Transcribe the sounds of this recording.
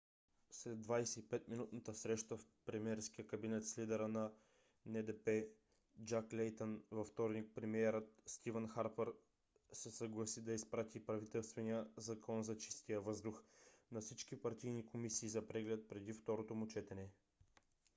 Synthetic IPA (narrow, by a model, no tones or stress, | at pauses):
slɛd̪vajsɛipɛt̪minut̪nət̪əsɾɛʃt̪əfpɾɛmiɛɾsk̟ijəkɐbinɛt̪slid̪ɛɾənɐ | nɛd̪ɛpɛ | d͡ʒaklʲɛjt̪ənvɐft̪ɔɾnik̚pɾɛmiɛɾət̪st̪ivənxaɾpəɾ | sɛsɐɡlˠɐsid̪ɐispɾat̪ʰipɾɐvit̪ɛlˠst̪vɛnijəzɐkɔnzɐt͡ʃi̥st̪ijəvɤzd̪uxnɐfsit͡ʃkipɐɾt̪ijnikomisiːzɐpɾɛɡlɛt̪̚pɾɛd̪ift̪ɔɾot̪omut͡ʃɛt̪ɛnɛ